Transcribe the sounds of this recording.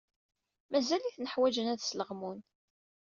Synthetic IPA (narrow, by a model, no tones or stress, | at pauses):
mæzæliθnəħwæd͡ʒənæðsləʁmun